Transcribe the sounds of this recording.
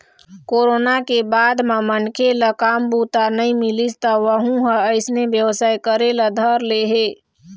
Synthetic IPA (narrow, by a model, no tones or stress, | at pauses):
koːɾoːnakebaːd̪mãmənkʰeləkaːmbut̪anəĩmilist̪əʋəɦũɦə̃əɪsnebjəʋsaːjkəɾeləd̪ʱəɾleɦe